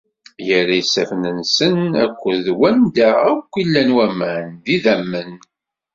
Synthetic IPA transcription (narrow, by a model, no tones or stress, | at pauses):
jəɾːajsæfnənsənæ̰kʷːəðwænd̪aækʷːilːænwæmænðiðæmːən